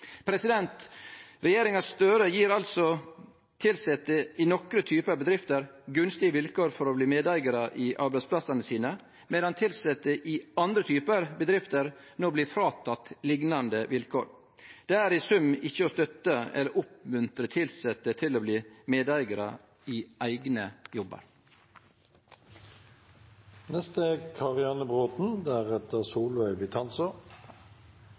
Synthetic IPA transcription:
pʰɾɛsɪd̪ɛnt̪ɾɛjeːɾɪŋɑsst̪øːɾəjiːɾɑlsɔ | t̪ʰɪlsɛt̪ːəɪnɔkɾət̪ʰyːpəbəd̪ɾɪft̪əɾɡʉnst̪ɪəʋɪlkoːɾfɔɾɔbliːmeːd̪æɪɡɑɾɑʔɪʔɑɾbæɪspʰlɑsɑnəsiːnə | mɛd̪ɑnt̪ʰɪlsɛt̪ːəʔɪɑnd̪ɾət̪ʰyːpəɾbəd̪ɾɪft̪əɾ | nobliːfɾɑːt̪ʰɑt̪lɪɡnɑnd̪əʋɪlkʰo̰ːɾ | d̪̥eːæːɾɪsʉmɪçːəoːst̪œt̪əɛ̰ləɾʔʊpmʉnt̪ɾət̪ʰɪlsɛt̪ːət̪ʰɪloːbliːmeːd̪æɪɡəɾə̰ | ɪːʔæɪɡnəjɔbə̰ɾ | nɛst̪əkʰɑʁɪɑnəbʁoːt̪n̩d̪æʁɛt̪əʁsuːlʋœʏbɪt̪ʰɑnsɔ

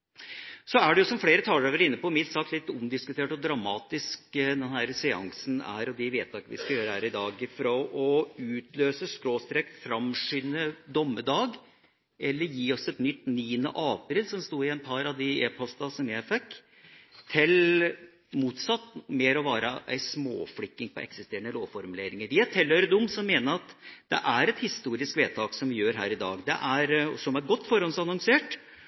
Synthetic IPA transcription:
sɔæɖɛjʊsɔmfɽeːɾət̪ʰɑːøːʋəɾɪnːəpɔmɪt̪sɑːklɪt̪ːʊmd̪ɪskʉt̪ʰeːʈɔd̪ɾɑmɑːt̪ɪskd̪ɛnhæɾəsɛɑ̰ŋsn̩æ̰ɾɔd̪ɪʋeːt̪ʰɑːkəʋɪ̰skɑjøːɾəhæːɾɪd̪ɑːɡɪfɾɔʔɔʉːt̪ʰløːsəskɾoːst̪ɾeːkfɾɑmʂynəd̪ɔmːəd̪ɑːɡ | ʔɛlːəɾjiːɔsɛt̪nʏt̪ːniːnə̰ʔɑːpɾɪlsɔmst̪uːɾɪɛnpʰɑɾɑʋd̪ɪeːpʰɔst̪ɑsɔmjæɪfɛkː | t̪ʰːɪl | muːt̪sɑt̪ːmeːɾɔʋɑːɾəʔæ̰ɪsmo̰ːfɽɪkːɪŋpɔ̰ʔɛ̰ksɪst̪eːəɳnəloːʋfɔɾmʉleːɾɪŋəɾʋɪæt̪ʰɪlhøːɾəd̪ʊmːsɔmːeːnəɾɑt̪d̪̥ɛ̰ʔæɾɛt̪hɪst̪uːɾɪskʋeːt̪ʰɑːksɔmʋɪjøːɾɦæ̰ːɾɪd̪ɑ̰ːɡd̪ɛ̰ʔæɾsɔmæɾɡɔt̪ːfɔɾɔnsɑnɔŋseːʈ

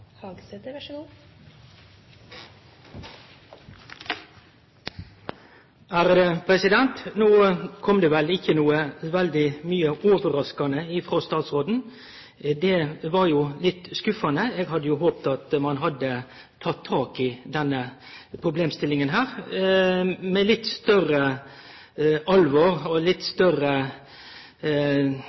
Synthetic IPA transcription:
hɑɡsed̪ | æɾəpʰɾɛsɪd̪ɛnt̪noːkʰɔmd̪ɛːʋɛlɪçːənuːəʋɛld̪ɪmyːəʔoːʋəɾɑskɑnəɪfʁoːst̪ɑːt̪sʁoːd̪n̩ | d̪ɛʋɑɾjʊlɪt̪ːskʉfɑnəɛɡɦɑd̪ːəjʊɦoːpt̪ɑt̪mɑnɦɑd̪ːə | t̪ʰɑt̪ʰːɑːkɪd̪ɛnːə | pʰɾʊbleːmst̪ɪlɪŋənɦæːɾ | mɛlɪt̪ːst̪œrə | ɑlʋoːɾɔlɪt̪ːst̪œrə

